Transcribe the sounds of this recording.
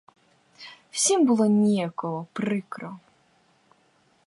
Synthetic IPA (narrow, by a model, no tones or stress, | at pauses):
w̥sʲimbɨlˠɔnʲijakɔɦɔpɾɪkɾɔ